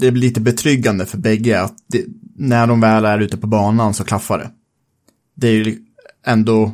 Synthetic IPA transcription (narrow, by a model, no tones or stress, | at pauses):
d̪ɛblɪliːt̪əbɛt̪ʰɾʏɡːand̪əfœɾbɛɡːəat̪d̪ɛnæɖɔmvɛːlæɾʉ̟ːt̪əpʰɔbɑːnansɔkʰlafːaɖɛ̰ | d̪ɛæɾjɵ | ɛnd̪ɔ